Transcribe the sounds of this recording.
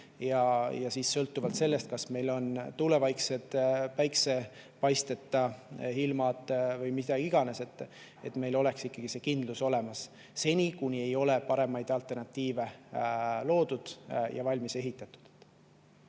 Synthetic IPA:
jɑjɑsiːssɤlt̪ːˑuvɑlt̪se̞lːe̞st̪̚kɑsme̞jlo̞nt̪ule̞vɑjkse̞d̪̥pæjkse̞ | pɑjst̪et̪ˑːɑhilmɑt̪ˑvɤjmid̪̥ɑɡ̥iiɡ̥ɑne̞se̞t̪ːˑ | e̞̰t̪me̞jlo̞le̞ksikːɑɡ̥ise̞kind̪̥luso̞le̞mɑsː | e̞nʲikunʲie̞jo̞le̞pɑɾe̞mɑjd̪̥ɑlt̪ˑe̞rnɑt̪ʲːiːve̞ | lo̞ːd̪̥ud̪̥jɑ̰vɑlʲmise̞ɦit̪ːˑɑt̪ˑu̥d̪̥

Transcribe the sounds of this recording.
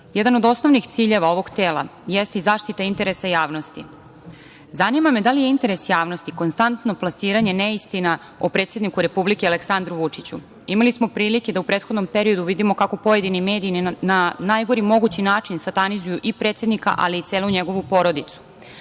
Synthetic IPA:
jed̪ano̞d̪o̞sno̞ʋnixt̪siːʎe̞ʋao̞ʋo̞ɡt̪e̞ːlˠa̰jest̪izaːʃt̪it̪aint̪e̞ɾesajaːʋno̞st̪i | zanimame̞d̪alijeint̪e̞ɾe̞sjaːʋno̞st̪iko̞nst̪ant̪no̞plˠasiːɾaɲe̞neist̪ina | opɾet̪sje̞d̪nikuɾe̞publikeale̞ksand̪ɾuʋut͡ʂit͡ɕṵ | imalismo̞pɾiːlike̞d̪aupɾet̪xo̞d̪no̞mpe̞ɾio̞d̪uʋid̪imo̞kako̞po̞je̞d̪inime̞ːd̪iinnanaːjɡo̞ɾimo̞ɡut͡ɕinaːt͡ʃinsat̪anizujuʔipɾet̪sje̞d̪nika̰ʔa̰liːt̪seːluɲeɡo̞ʋupo̞ɾo̞d̪it̪su̥

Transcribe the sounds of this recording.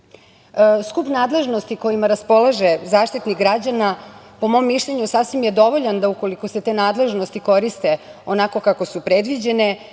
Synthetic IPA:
skupnaːd̪le̞ʒno̞st̪iko̞imaɾaspo̞lˠaʒe̞zaːʃt̪it̪niɡɾad͡ʑanapo̞mo̞mːiʃʎeɲusasʋimje̞d̪o̞ʋo̞ʎand̪auko̞liko̞se̞t̪e̞ːnaːd̪le̞ʒno̞st̪iko̞ɾist̪e̞o̞nako̞kako̞supɾed̪ʋid͡ʑe̞ne̞

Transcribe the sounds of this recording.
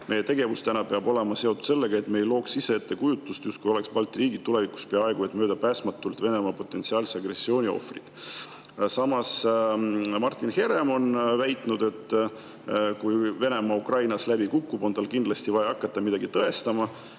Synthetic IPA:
mʔe̞jːe̞t̪eɡ̥e̞vust̪ænɑpe̞ɑbo̞le̞mɑse̞ot̪ut̪se̞lːeɡ̥ɑe̞t̪mejlo̞ːksiseet̪ːe̞kujut̪ːˑust̪just̪̚kujo̞le̞kspɑlt̪ˑriːɡid̪t̪ːule̞viku̥spe̞ɑɑeɡ̥ue̞t̪ːˑmø̞ːd̪̥ɑpæːsmɑt̪ːˑult̪ve̞ne̞mɑpo̞t̪ːˑe̞nsiɑːlsɑɡre̞sːio̞ːnʲio̞̰frḭd̪̥ | sɑmɑs | mɑrt̪ːˑinhe̞ɾe̞mo̞nvæjt̪ˑnud̪̥e̞t̪ːˑ | kujve̞ne̞mɑukrɑjnɑslæbikukːubo̞nt̪ɑlkind̪lɑst̪ivɑjɑɑkˑːɑt̪ːɑmid̪ɑɡ̥it̪ɤe̞st̪ɑmɑ

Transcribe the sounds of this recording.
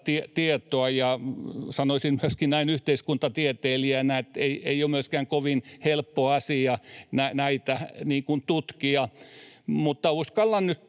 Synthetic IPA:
t̪iet̪iet̪oɑjɑsɑnoisinmyøskinnæinyht̪eiskunt̪ɑt̪iet̪eːliænæet̪eieiomyøskæŋkoʋinhelpːoɑsiɑnænæit̪æniːŋkunt̪ut̪kiɑ | mut̪ːɑuskɑlːɑnnyt̪

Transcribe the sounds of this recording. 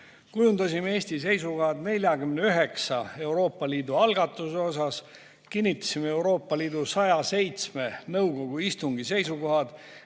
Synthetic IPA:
kujund̪̥ɑsimeeːsʲt̪is̬e̞jsuko̞ɦɑd̪̥ne̞lʲjɑɡymneyɦe̞ksɑe̞wɾo̞ːpˑːɑliːd̪uɑlɡ̥ɑt̪ːˑuseo̞s̬ɑs | kinʲːit̪ˑːɑ̥simee̞wɾo̞ːpːˑɑliːd̪̥usɑjɑse̞jt̪sme̞nɤwɡo̞ɡ̥uist̪uŋɡise̞jsuko̞ɦɑd̪̥

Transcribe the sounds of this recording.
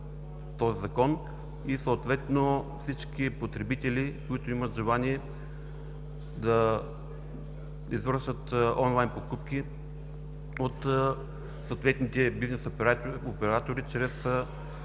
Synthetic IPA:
t̪ɔzizɐkɔn | isoːt̪vɛt̪nofsit͡ʃkipot̪ɾɛbit̪ɛlikoit̪ʊimət̪ʒɛlˠaniɛ | d̪ɐ | izvəɾʃət̪ɔnlˠajnpokupki | ot̪ | soːt̪vɛt̪nit̪ɛbiznɛsopɛɾat̪oɾit͡ʃɾɛs

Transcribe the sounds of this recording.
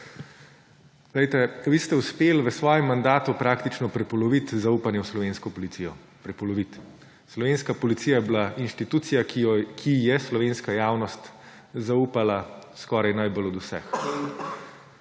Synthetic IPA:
ɡ̥lɛjt̪ɛʋist̪ɛuspeːlʋəsʋɔːjɛmːand̪aːt̪upɾaːkt̪it͡ʃnɔpɾɛpɔlɔʋit̪zauːpanjɛwslɔʋeːnskɔpɔlit̪siːjɔ | pɾɛpɔlɔʋit̪ | slɔʋeːnskapɔlit̪sijajɛblaʔinʃt̪it̪uːt̪sijakkʰijɛslɔʋeːnskajaːwnɔst̪ | zauːpalaskɔːɾajnajbɔlɔd̪usɛ̰x

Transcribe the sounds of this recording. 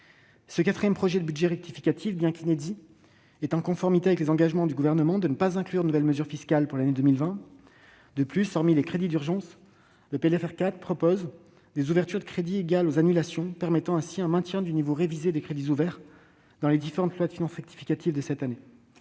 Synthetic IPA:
səkat̪χijɛmpχɔʒɛd̪əbyd̪ʒɛʁɛk̚t̪ifi̥kʲat̪ʰifbjɛ̃kined̪i | ɛt̪ɑ̃kɔ̃fɔʁmit̪eavɛklezɑ̃ɡaʒmɑ̃d̪yɡuvɛʁnəmɑ̃d̪ənəpazɛ̃klyʁnənuvɛlməzyʁfiskʲalpuʁlaned̪əmilvɛ̃ | d̪əplyspaʁmilekχed̪id̪yʁʒɑ̃s | ləpeɛlɛfɛʁkat̪χpχɔpoz | d̪ezuvɛʁt̪yʁd̪əkχed̪ieɡalozanylasjɔ̃pɛʁmɛt̪ɑ̃ɛ̃siɛ̃mɛ̃t̪jɛ̃d̪ynivoʁevized̪ekχed̪izuvɛʁ | d̪̥ɑ̃led̪ifeʁɑ̃t̪lwad̪əfinɑ̃sʁɛk̚t̪i̥fi̥kʲat̪ʰivd̪əsɛt̪ane

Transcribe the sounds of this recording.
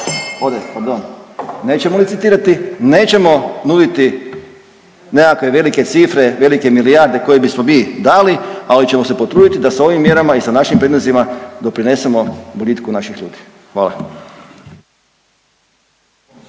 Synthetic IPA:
od̪epaɾd̪onne̞ːt͡ɕemolit̪sit̪iːɾat̪ine̞ːt͡ʃe̞mo̞nud̪it̪i | nekakʋe̞ʋe̞like̞t̪sifɾe̞ʋe̞like̞miliaɾd̪e̞ko̞je̞bismomiːd̪aːlialit͡ɕe̞mo̞sepo̞t̪ɾuːd̪it̪id̪asao̞ʋimːje̞ɾamaisanaʃimpɾed̪nozimad̪o̞pɾine̞se̞mo̞bolʲit̪kunaʃixʎṵːd̪i̥ | xʋaːla̰

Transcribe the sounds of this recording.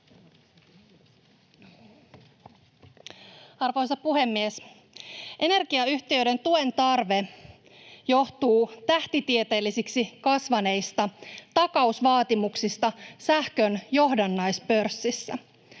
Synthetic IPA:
ɑrʋojsɑpuɦe̞mːies | ʔe̞ne̞rɡiɑyçt̪iø̞jde̞nt̪ue̞nt̪ɑrʋe̞ | jo̞ht̪uːt̪æht̪it̪iet̪e̞ːlːisiksikɑsʋɑne̞jst̪ɑt̪ɑkɑusʋɑːt̪imuksist̪ɑsæhkø̞njo̞ɦdɑnːɑjspø̞rsːisːæ̰

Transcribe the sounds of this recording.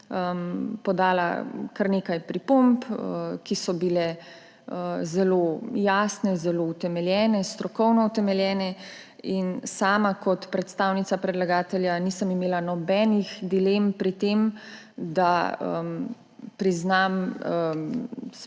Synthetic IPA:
əmpɔd̪aːla̰kaɾneːkajpɾipompəkisɔbilɛ | əzɛlojaːsnɛzɛlout̪ɛmɛljɛːnɛst̪ɾɔkɔwnɔut̪ɛmɛljɛːnɛ | insaːmakɔt̪pɾɛt̪st̪aːwnit̪sapɾɛd̪laɡaːt̪ɛljaniːsəmimeːlanɔbɛːnixd̪ilempɾit̪eːm | d̪aə̰m | pɾiznamə | s

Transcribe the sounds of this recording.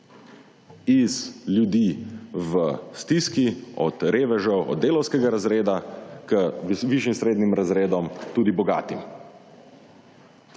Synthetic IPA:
izljud̪iʋəst̪iskiɔ̰t̪ɾeːʋɛʒɔwɔ̰d̪ːeːlɔwskɛɡaɾazɾeːd̪akəʋiʃinsɾeːd̪nimɾazɾeːd̪ɔmt̪uːd̪ibɔɡa̰ːt̪im

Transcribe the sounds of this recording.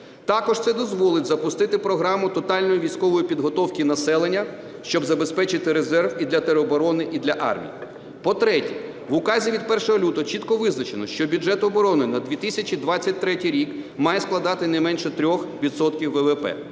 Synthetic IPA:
t̪ɑkɔʒt̪sɛd̪ɔzʋɔlˠɪt̚ʲzɐpʊst̪ɪt̪ɪpɾɔɦɾɑmʊt̪ɔt̪ɑlʲnɔjiʋʲijsʲkɔʋɔjipʲid̪ɦɔt̪ɔwkʲinɐsɛlˠenʲːɐ | ʃt͡ʃɔbzɐbespɛt͡ʃɪt̪ɪɾezɛrwid̪lʲɐt̪eɾeɔbɔɾɔnɪʔid̪lʲɐʔɑ̰rmʲḭji | pɔt̪ɾɛtʲi | ʋʊkɑzʲiʋʲid̪̚pɛrʃɔɦɔlʲut̪ɔt͡ʃit̪kɔʋɪznɐt͡ʃenɔʃt͡ʃɔbʲʊd͡ʒɛt̪ɔbɔɾɔnɪnɐd̪ʲʋʲit̪ɪsʲɐt͡ʃʲid̪ʋɑt͡sʲːɐt̚ʲt̪ɾɛtʲijɾʲikmɑjɛsklˠɐd̪ɑt̪ɪnɛɪmɛnʃɛt̪ɾʲɔxʋʲid̪sɔt̪kʲiwːɛʋepɛ̰

